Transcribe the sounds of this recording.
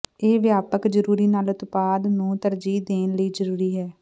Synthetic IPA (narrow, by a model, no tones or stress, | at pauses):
eːʋɪjaːpəkzəɾuːɾiːnaːlət̪paːd̪nũːt̪əɾd͡ʒiːd̪eːnləiːzəɾuːɾiːɦɛː